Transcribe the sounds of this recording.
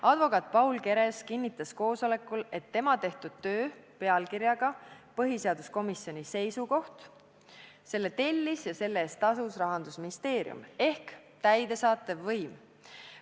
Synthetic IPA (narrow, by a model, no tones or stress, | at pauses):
ʔɑd̪̥vo̞kˑɑt̪̚ˑpɑwlke̞ɾe̞skinʲːit̪ːˑɑsko̞ːso̞le̞kːˑule̞t̪ːe̞mɑt̪e̞ht̪ud̪̥̚t̪ø̞ːpe̞ɑlkiɾjɑɡ̥ɑpɤɦise̞ɑd̪̥usko̞misjo̞nʲise̞jsuko̞ht̪ | se̞lːe̞t̪e̞lʲːisjɑse̞lːeːst̪t̪ːɑsusrɑɦɑnd̪̥usminist̪e̞ːɾḭṵme̞hk | t̪æjd̪̥e̞sɑːt̪ːˑe̞vːɤjm